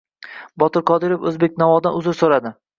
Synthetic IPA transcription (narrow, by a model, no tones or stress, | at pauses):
bɒt̪ɪɾqʰɒd̪ɪɾofɵzbe̞k̚ʲnavɒd̪anʊzɪɾsoɾad̪ɪ